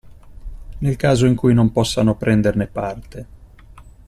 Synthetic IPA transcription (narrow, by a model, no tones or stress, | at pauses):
nelkaːzoiŋkujnompɔsːanopɾɛnd̪ernepart̪e